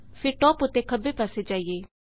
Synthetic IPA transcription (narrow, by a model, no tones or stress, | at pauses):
pʰɪɾʈɔːpʊt̪ːeːkʰəbeːpaːseːd͡ʒaːieː